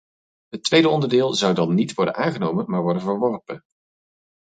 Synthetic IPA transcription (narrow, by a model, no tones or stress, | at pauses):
ɦətʋejdəɔndəɹdɪːlˠzʌwdɑnːitʋɔɹdə̰nʔaːŋχənowmənmaːɹʋɔɹdənvəɹʋɔrpən